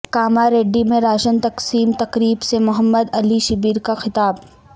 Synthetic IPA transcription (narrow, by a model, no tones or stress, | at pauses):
kaːmaɾeːɖːimẽɾaːʃənt̪ɐqsiːmt̪ɐqɾiːbsemʊɦəmːəd̪ɐliʃɪbiːɾkaxɪt̪aːb